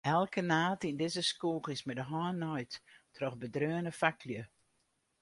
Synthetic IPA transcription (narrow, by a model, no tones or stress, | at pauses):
ɛlˠkənaːtindɪzəskuːχəsmɛdəɦɔːnːɔjttrɔxbədrøənəfakljə